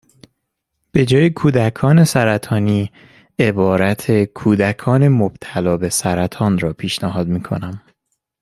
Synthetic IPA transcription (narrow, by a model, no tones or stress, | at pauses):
b̥e̞d͡ʒɒːjekʰuːd̪ækʰɒːne̞sæɾæt̪ʰɒːniː | e̞bɒːɾæt̪ʰe̞kʰuːd̪ækʰɒːne̞mob̥̚t̪ʰælɒːbe̞sæɾæt̪ʰɒːnɾɒːpʰiːʃnæɦɒːd̪miːkʰo̞̰næm